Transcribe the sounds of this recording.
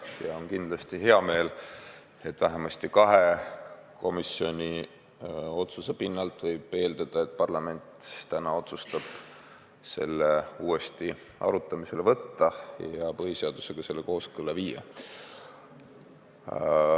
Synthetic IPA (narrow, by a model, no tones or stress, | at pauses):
jɑo̞nkind̪lɑst̪iɦe̞ɑme̞ːl | e̞t̪ːˑvæɦemɑst̪ikɑɦe̞kʰo̞misio̞nʲi | o̞t̪susepinːɑlt̪ˑvɤjb̥e̞ːld̪ɑd̪̥ɑet̪̚ˑpɑrlɑme̞nʲt̪t̪ænɑo̞t̪sust̪ɑb̥ | se̞lːe̞uːe̞st̪i | ɑ̰ɾut̪ːˑɑmise̞le̞vɤt̪ːɑjɑpɤɦiseɑd̪̥u̥se̞ɡ̥ɑse̞lːe̞ko̞ːskɤlːɑviːjɑ̰